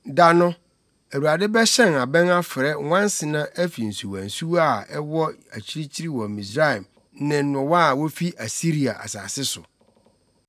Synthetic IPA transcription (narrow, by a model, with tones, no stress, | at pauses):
da˨nʊ̃˦ | æ˨wu˨ɾa˨dɪ˦bɛ˦ɕɛ̃˦na˨bɛ̃˦na˦fɪ˨ɾɛ˦wʷã˦n˦sɪ˨nã˦ʔɛ˦fi˨n̩˨su˨wã̰˨n̩˨su˦wa˦˨ɛ˦wɔ˦æ˨t͡ɕʰi˦ɾi˦t͡ɕʰi˦ɾi˦wɔ˨mĩ˨sɾa˦ɛ˨m | nɪ̃˨n˦nʊ̃˨wa˦˨wo˦fi˦ʔa˨si˦ɾi˨a̰˨ʔa̰˨sa̰ː˨sɪ˦sʊ̰˨